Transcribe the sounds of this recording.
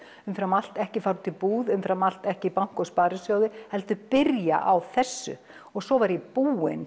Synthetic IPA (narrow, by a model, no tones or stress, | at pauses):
ʏmfɾamal̥t̪ɛhcɪfawɾt̪ʰɪlpuːðʏmfɾamal̥t̪ɛhcɪipawŋ̥kɔspaːɾɪsjaːwðɪhɛlt̪ʏpɪɾja̰ʔawθɛsːʏ̰ | ɔɣsɔvaɾɛpuːɪ̰n